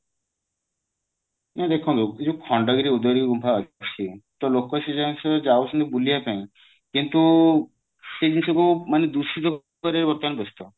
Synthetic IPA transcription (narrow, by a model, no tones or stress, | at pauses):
nad̪ekʰɔ̃d̪ud͡ʒukʰɔɳɖɔɡiɾiud̪ɔɾikɔɡumpʰaɔt͡ʃʰit̪ɔlokɔsed͡ʒansɔd͡ʒaosɔnibuliapaĩ | kint̪u | sed͡ʒ̪insɔkumaned̪usit̪ɔk | kɔɾiaɾebɔɾt̪ɔanebest̪ɔ